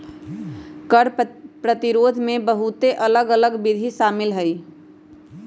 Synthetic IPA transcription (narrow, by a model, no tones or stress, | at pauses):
kəɽpɾət̪iɾoːd̪ʱmẽbəɦut̪eʔələɡələɡbɪd̪ʱiʃaːmɪlɦəj